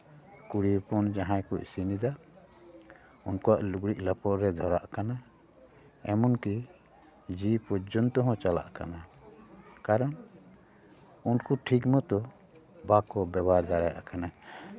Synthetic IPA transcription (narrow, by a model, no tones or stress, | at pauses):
kuɽipɔnd͡ʒaɦãjkɔʔsinid̪a | unkɔwaʔluɡɽiʔ̚lapɔʔɾɛd̪ʱɔɾaʔkana | ɛmɔnki | d͡ʒipɔd͡ʒɔnt̪ɔɦɔ̃t͡ʃala̰ʔka̰na | kaɾɔn | unkuʈʰikmɔt̪ɔ | bakɔbɛbaɾd̪aɾaja̰ʔakana